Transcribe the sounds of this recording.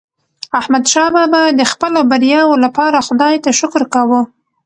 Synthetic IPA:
ahmad̪ʃɑbabaəxpəlobaɾjɑwolapɑɾaxʊd̪ɑjt̪aʃʊkɾkawu

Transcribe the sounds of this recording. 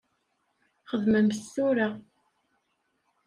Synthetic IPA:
χəðməmsːuɾa

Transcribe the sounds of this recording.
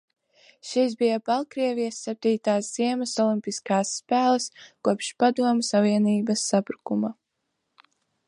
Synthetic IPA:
ʃis̬bijabalˠkɾiɛvijɐsːɛp̚t̪iːt̪aːsz̥iɛmɐsɔlˠimpʲiskaːsːpæːlˠɐskuɔpʃpad̪uɔmsaviɛniːbɐsːapɾukuma

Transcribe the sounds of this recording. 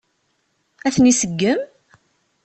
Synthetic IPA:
æθnisəɡːəm

